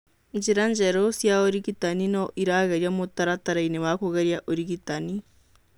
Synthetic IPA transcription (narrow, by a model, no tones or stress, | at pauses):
iɲd͡ʒiɾaɲd͡ʒeɾosjaoɾiɣitaninoʔiɾaɣeɾjamotaɾataɾaineβakoɣeɾjaʔoɾiɣitani